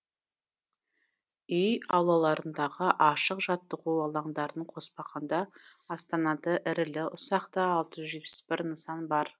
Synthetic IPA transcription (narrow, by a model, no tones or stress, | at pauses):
ʏjɑwlˠɑlˠɑɾənd̪ɑʁəʔɑʃəqʒɑt̪ːəʁuɑlˠɑɴd̪ɑɾəɴqʰo̞spɑʁɑnd̪ɑɑst̪ɑnɑd̪əʔɪɾɪlɪʊsɑqt̪əːlˠt̪əʒʏzʒe̞t̪̚pɪ̥sbɪɾnəsɑnbɑɾ